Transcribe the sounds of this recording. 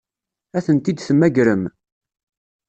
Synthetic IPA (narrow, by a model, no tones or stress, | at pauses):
æθənt̪id̪θəmːæɡɾəm